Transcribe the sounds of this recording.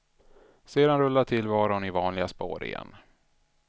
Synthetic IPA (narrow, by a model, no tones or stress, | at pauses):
seːd̪anɾɵlːaʈʰɪlvɑːɾɔnɪvɑːnlɪɡaspo̰ːɾɪ̰jɛ̰nː